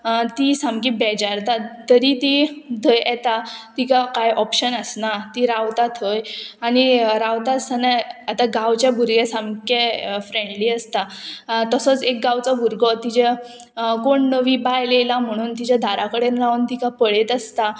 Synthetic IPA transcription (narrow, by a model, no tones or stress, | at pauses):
t̪isãmkĩbɛd͡ʑaɾt̪at̪ːəɾit̪id̪ʱəjɛt̪at̪ikakajʔɔpɕənəsnat̪iɾaʋt̪at̪ʰəjaɽ̃iɾaʋt̪asənəat̪aɡaʋt͡ɕjabʱuɾɡesamkefɾẽɳɖliːəst̪at̪əsɔt͡sek̚ɡawt͡sabʱuɾɡɔt̪id͡ʑe | koɳnəʋiːbajlelam̤əɽ̃uːnt̪id͡ʑad̪ʱaɾakəɽenlaʋnt̪ikapəɭet̪əst̪a